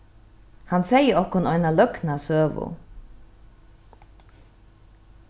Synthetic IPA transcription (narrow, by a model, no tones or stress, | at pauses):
hansɛjəɔhkʊnɔjnalœknasøːʋʊ̰